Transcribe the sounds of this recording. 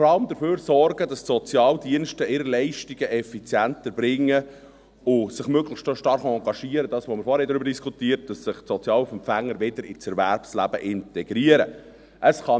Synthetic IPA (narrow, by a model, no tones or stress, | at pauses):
ɔɾɑləmd̪əɾføːɾsɔrɡədɑssɔt͡sjɑːldiənʃtəɪːɾəlɛɪʃtiɡ̥əʔɛfit͡sjæntəɾbɾɪŋːə | ʊsɪχmøɡləχstoʃtɑɾχɑŋɡɑʃiəɾəd̥ɑːsʋɔmɪɾfɔːɾɛdɾʏbəɾdiskʰutiːəɾt̚d̥ɑsːɪχtsɔt͡sjɑːlufɛmpfæŋːəɾʋɪdəɾɪt͡sɛɾvæɾpslæ̰b̥ə̰ʔɪntɛɡ̥ɾiəɾə | ʔəsχɑ